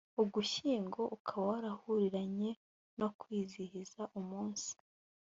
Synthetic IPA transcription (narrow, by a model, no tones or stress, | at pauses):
uɡuʃiːŋɡo̞ʔukʰaβawaɾahuɾiɾaɲe̞ | no̞kwiːzihizaʔumuːnsi̥